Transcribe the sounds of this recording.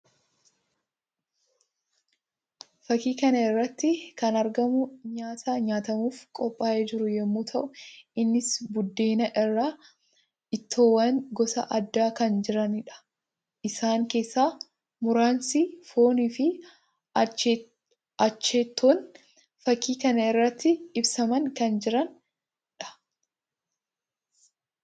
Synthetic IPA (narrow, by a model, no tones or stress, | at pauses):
fɐkiːkɐnɐɪrːɐt̪ːɪkɐnɐɾɡɐmʊɲaːt̪ɐɲaːt̪ɐmuːfkʼɔpʼːaːʔeːd͡ʒɪɾʊjɛmːuːt̪ʰɐʔʊʔɪnːɪsbʊd̪ːe̞ːnɐʔɪrːaː | ɪt̪ːo̞ːwɐŋɡɔsɐ̰ʔɐd̪ːaːkɐnd͡ʒɪɾɐnɪᶑɐ̥ | ʔɪsaːŋke̞ːsːaː | mʊɾaːnsifo̞ːniːfɪ | t͡ʃː | ɐt͡ʃːeːt̪ːoːn | fɐkːiːkɐnɐɪrːɐt̪ːɪɪbsɐmɐŋkɐnd͡ʒɪɾɐn | ᶑɐ̥